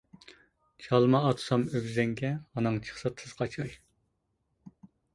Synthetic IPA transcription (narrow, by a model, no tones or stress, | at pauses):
t͡ʃʰɑlˠmɑːt̪ʰu̥sɑmøɡʲzɛŋɡʲɛhɑnɨŋt͡ʃʰə̥χsɑt̪ʰɨz̥qʰɑt͡ʃʰɑj